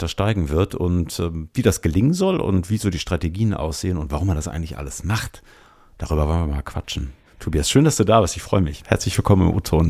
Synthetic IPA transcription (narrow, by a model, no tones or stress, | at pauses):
taʃtaɪɡŋ̩vɪɐtʊ̰ntʔɛːmviːdasɡ̥əlɪŋənzɔlʔʊ̰ntv̥iːzoːdiːʃtʁ̥ateɡiːənʔa̰ʊsz̥eːənʊntv̥aʁʊmːandasʔa̰ɪɡŋ̩tlɪçʔa̰ləsmaχt | d̥aʁyːbɐvɔlənviɐma̰lkʰv̥a̰t͡ʃn̩ | tʰobiasʃøːndasd̥uːdaːvɪɐstɪçfʁ̥ɔʏəmɪçhɛɐt͡slɪçv̥ɪlkʰɔmənɪ̰mʔṵːtʰoːn